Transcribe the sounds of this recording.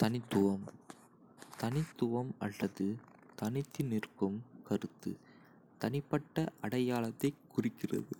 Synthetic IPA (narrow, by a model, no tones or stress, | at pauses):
t̪ɐnɪt̪ːʊʋɐm | t̪ɐnɪt̪ːʊʋɐmɐ̰lːɐðɯ | t̪ɐnɪt̪ːɪnɪrkɯmkɐrɯt̪ːɯ̰ | t̪ɐnɪpːɐʈːɐʔɐɽɐjaːlɐt̪ːɐɪkːʊrɪkːɪrɐ̰ðɯ